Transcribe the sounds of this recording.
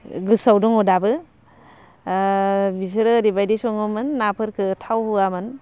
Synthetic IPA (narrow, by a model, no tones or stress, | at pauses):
ɡɯsawduŋudabɯ | bisɯɾɯɾibajdisɔŋɯmɯnːapʰɯɾkʰɯtʰawhuamɯn